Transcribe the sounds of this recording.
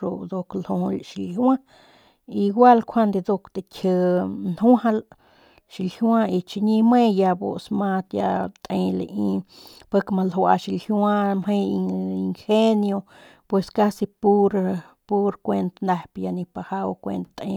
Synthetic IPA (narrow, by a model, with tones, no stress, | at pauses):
o˧d̪o˧klo˧ʃi˧ljwã˦ | i˧ɡʷa˦lkʷʰa˦nd̪e˧d̪o˧kt̪e˨kʲʰə˧nhwha˧l | ʃi˨lhjwã˦i˧t͡ʃi˧ɲi˧me˦ja˧bo̰˨smã˧t̪ja̰˧t̪ʼe˧lḛ˧ʔi˧ | pa˦kma˧lwa̰˧ʃi˧lhjwã˦mɦe˦˧jii˧ŋxe˦njo˧ | pwe˧ska˦si˧pu˦ɾ | pu˦ɾkʷe˧nt̪na˧pja˧ni˧pa˧ha˦wkʷḛ˧nt̪t̪ḛ̃˧